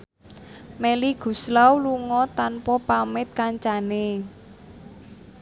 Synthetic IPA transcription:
meliɡ̥ṳslawluŋɔt̪anpɔpamɪt̪̚kaɲt͡ʃane

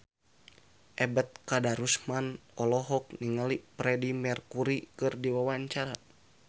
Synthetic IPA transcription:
ʔɛbət̪̚kadaɾusmanɔlɔɦɔk̚niŋalipɾɛdimɛrkuɾikɨrdiwawaɲt͡ʃaɾa

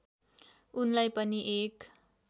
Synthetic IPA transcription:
unlajpʌniʔek

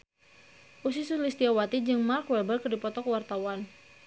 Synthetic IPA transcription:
ʔus̬isulist̪iawat̪id͡ʒɨŋmarkwɛbərkədipɔt̪ɔkəwart̪awan

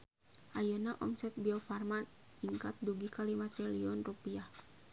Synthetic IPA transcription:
ʔajanaʔɔmsɛt̪̚biɔfarman | iŋkat̪̚duɡikalimat̪ɾɛliɔnrupiah

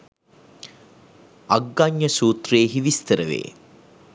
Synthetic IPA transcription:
aɡːaɲːəsuːt̪reːɦiʋist̪əɾəʋḛː

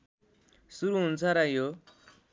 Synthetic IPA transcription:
suɾuɦunt͡sʰaɾajo

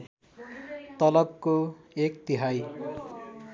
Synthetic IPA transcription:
t̪ʌlʌb̚koekt̪iɦaj

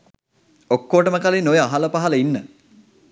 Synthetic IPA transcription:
okːoːʈəməkalinojəaɦaləpaɦɐləinːə

